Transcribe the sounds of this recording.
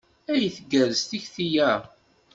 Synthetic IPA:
æjəθɡːæɾəst̪içθijæ

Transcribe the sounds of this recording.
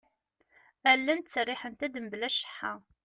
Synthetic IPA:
ælːænt̪t͡sːərːɪħənt̪æd̪əmblæʃə̥ħːa

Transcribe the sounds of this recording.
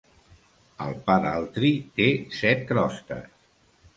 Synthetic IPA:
ə̰lˠpaɾalˠt̪ɾit̪esɛt̪̚kɾɔst̪ə̰s

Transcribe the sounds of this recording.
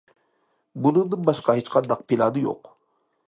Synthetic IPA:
bunɯŋd̪ɯnbɑʃqɑhet͡ʃqɑnd̪ɑq̚pʰilʲɑd̪ɯjo̰q

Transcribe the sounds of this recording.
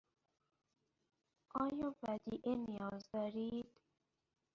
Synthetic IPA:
ʔɒːjɒːvæd̪iʔenijɒːzd̪ɒːɾiːd̪̥

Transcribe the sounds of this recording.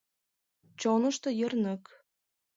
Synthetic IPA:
t͡ɕonɤ̆ʃt̪ɤ̆jə̆rnɤ̆k

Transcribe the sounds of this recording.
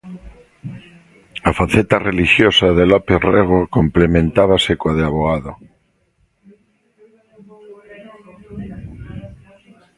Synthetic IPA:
afaθet̪areliʃjosaðelopereɣ̞okomplemẽnt̪aβ̞asekwaðeaβoaðo

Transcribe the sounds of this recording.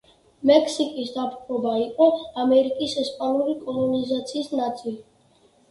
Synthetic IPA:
mɛkʰsikʼisd̪apʰχʰɾɔbaiqʼɔamɛɾikʼisɛspʼanuɾikʼɔlˠɔnizat̪sʰiːsnat̪sʼili

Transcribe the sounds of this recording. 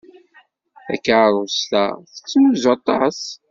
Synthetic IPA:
θæ̰kːaɾˤʊslæ̰θə̥t͡sːəmzɑt̪ˤɑs

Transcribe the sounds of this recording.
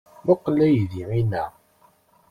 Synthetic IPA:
maqːlæjðiʕinæ

